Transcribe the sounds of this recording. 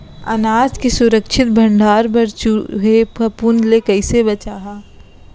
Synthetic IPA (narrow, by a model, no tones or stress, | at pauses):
ɐ̰naːd͡ʒkesʊɾəkʃʰɪt̪̚bʱə̃ɳɖʱaːɾbɐɾt͡ʃuɦepɐpunlekɐɪsebɐt͡ʃaːɦaː